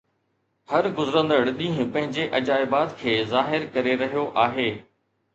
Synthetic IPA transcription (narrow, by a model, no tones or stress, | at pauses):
hɐɾɡʊzɾə̃nd̪əɽɗĩːɦʊ̃pɐ̃ɦɪ̃ɲd͡ʑeʔɐd͡ʑaːɪbaːt̪kʰeːzaːɦɪɾkɐɾeɾɐɦijoʔaːɦeː